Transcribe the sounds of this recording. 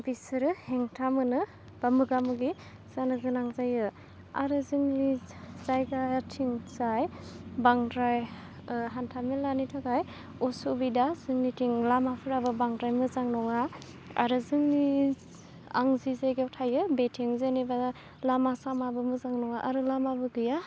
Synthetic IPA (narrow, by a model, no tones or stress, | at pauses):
bisɯɾɯheŋtʰamɯnɯ | b̥amɯɡamɯɡi | z̥anɯɡɯnaŋzajɯ | aɾɯzɯŋnizajɡatʰiŋzajbaŋdɾaj | ɦantʰamelːanitʰɔɡaj | ɔsobidazɯŋnitʰiŋlamapʰɯɾabɯbaŋdɾajmɯzaŋnɔŋa | a̰ɾɯzɯŋni | a̰ŋzizajɡewtʰajɯbetʰeŋzaneba | lamasamabɯmɯzaŋnɔŋaʔaɾɯlamabɯɡɯja